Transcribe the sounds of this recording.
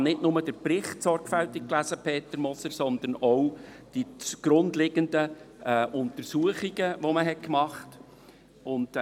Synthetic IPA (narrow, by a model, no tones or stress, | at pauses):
nɪdnʊməd̥əɾpɾɪχtsɔɾɡ̥fæltik̚klæzəpʰeːtəɾmɔsəɾsɔnd̪ənɔw | d̥iɡ̥ɾʊndlɪɡ̥əndəʔʊntəɾsuəχiɡ̥əʋoməɦɛt̚kmɑχt | ʊnd